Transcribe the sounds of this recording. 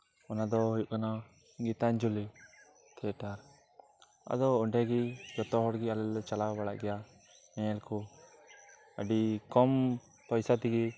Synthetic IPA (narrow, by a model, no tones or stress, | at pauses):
ɔnad̪ɔɦujuʔkana | ɡit̪aɲd͡ʒuli | t̪ʰɛʈaɾ | a̰d̪ɔɔɖɛɡid͡ʒɔt̪ɔɦɔɽɡialɛlɔt͡ʃalabaɽaʔɡɛja | mɛ̃ɛlkʰɔ | əɖikɔm | pɔjsat̪iɡi